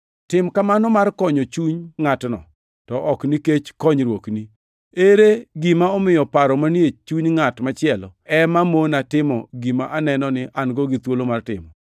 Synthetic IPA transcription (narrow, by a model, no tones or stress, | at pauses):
tɪmkamanɔmarkɔɲɔt͡ʃuɲŋatnɔ̰ | tɔʔɔkniket͡ʃkɔɲɾwokni | eɾeɡimaɔmɪjɔpaɾɔmanjet͡ʃuɲŋatmat͡ʃɪɛlɔ̰ɛmamonatɪmɔ̰ɡimaʔanɛnɔnɪʔanɡɔɡit̪wolomartɪ̰mɔ